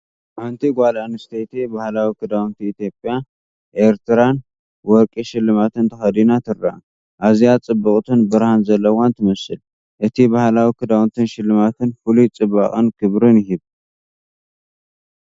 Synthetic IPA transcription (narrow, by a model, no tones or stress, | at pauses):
ʔant̪ʰiɡʷalanɨst̪ʰejt̪ʰibahlawikʰɨd̪awnt̪ʰiːt̪jo̞pʼja | ʔeɾt̪ʰɨɾan | wɔɾkʼiʃɪlːɨmat̪ʰɨnt̪ʰɐxɐd̪inat̪ʰɨɾːa̰ | ʔazijat͡sʼɨbːɨkʼt̪ʰɨnbɨɾhanzɐlːɐwant̪ʰɨmɐsɨl | ʔɨt̪ʰibahlawikɨd̪awnt̪ʰɨnʃɪlːɨmat̪ʰɨnfɨlut͡sʼɨbːa̰kʼɨnkʰɨβɾɨnɪɦiβ